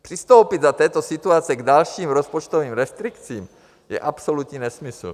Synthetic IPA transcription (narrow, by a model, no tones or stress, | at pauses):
pr̥ɪst̪owpid̪zat̪ɛːt̪osit̪uat͡sɛɡdalʃiːmɾospot͡ʃt̪oviːmɾɛst̪ɾɪkt͡siːm | jɛ̰ʔapsolut̪ɲinɛsmɪsl̩